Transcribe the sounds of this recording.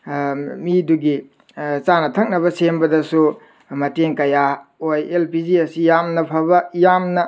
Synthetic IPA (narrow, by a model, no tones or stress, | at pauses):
miduɡi | t͡ʃanɐtʰɐk̚nɐβɐsembɐdɐsu | mɐteŋkɐjaojelpid͡ʒiɐsijamnɐpʰɐbɐjamnɐ